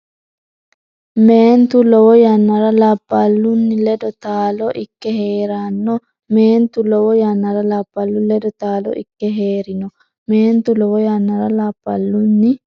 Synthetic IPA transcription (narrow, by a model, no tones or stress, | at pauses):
meːnt̪ulɔwɔjanːɐɾɐlɐpːɐlːunːilɛd̪ɔt̪aːlɔʔikːɛheːɾanːɔ | meːnt̪ulɔwɔjanːɐɾɐlɐpːɐlːulɛd̪ɔt̪aːlɔ̰ʔḭkːɛɦeːɾɪnɔ | meːnt̪ulɔwɔjanːɐɾɐlapːɐ̰lːunːi